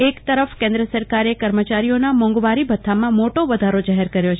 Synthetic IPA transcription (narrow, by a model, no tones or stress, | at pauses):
ekt̪əɾəfkẽnd̪ɾəsəɾkaɾekəɾmət͡ʃaɾijonamɔ̃ŋɡʋaɾibʱət̪ʰːamãmoʈoʋəd̪ʱaɾod͡ʒaɦeɾkəɾjot͡ʃʰ